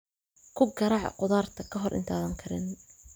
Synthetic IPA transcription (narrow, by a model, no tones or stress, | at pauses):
kʰʊɡɐɾɑʕ̰qʊðaːrt̪ʰɐkʰɐɦɔrʔɪ̰nt̪ʰaːðɐŋkʰɐɾɪn